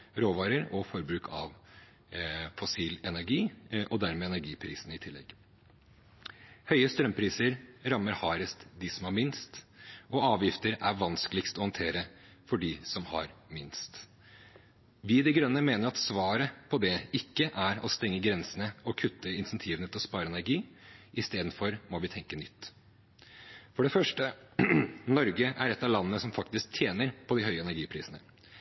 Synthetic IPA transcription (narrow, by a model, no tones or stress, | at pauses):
ɾoːʋɑːɾəɾɔfɔɾbɾʉːkʰɑ̰ʋ | fɔsiːlɛnæɾɡiːʔɔd̪æɾmeːɛnæɾɡiːpʰɾḭːsənəɪt̪ʰɪlːɛ̰ɡ̥ | hœʏəst̪ɾœmpʰɾiːsəɾɾɑmːəɾhɑːɾəst̪d̪ɪsɔmhɑɾmɪnst̪ʔɔɑːʋjɪft̪əɾæɾʋɑnskəlɪkst̪ɔhɑnt̪ʰeːɾə | fɔɖiːsɔmhɑ̰ɾmɪnst̪ | ʋɪd̪ɛɡɾœnːəmeːnəɾɑt̪sʋɑːɾəpʰɔd̪ɛɪkːəʔæɾɔst̪ɛŋːəɡɾɛnsənəɔkʰʉt̪ʰːəɪnsɛnt̪ʰiːʋənət̪ʰɪlspɑːɾəɛnæɾɡiːɪst̪eːd̪n̩fɔɾmɔʋɪt̪ʰɛŋkənʏt̪ː | fɔɖɛfœʂʈə | nɔɾɡəʔæɾɛt̪ːɑʋlɑnːənəsɔmfɑk̚t̪ɪsk̚t̪ʰjeːnəɾpʰɔd̪ɪhœʏəɛnæɾɡiːpʰɾiːsənə